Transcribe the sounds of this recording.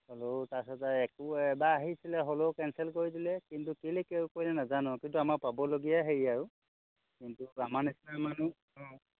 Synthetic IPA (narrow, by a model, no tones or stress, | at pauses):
holotasɛtaɛkʊɛbaːɦisilɛɦolokɛnsɛlkoidilɛkintukelekewkoilɛnazanɔkintuamaɹpabɔloɡijaɦeɹiaɹʊ | kintuamanisnamanu | ɔ̃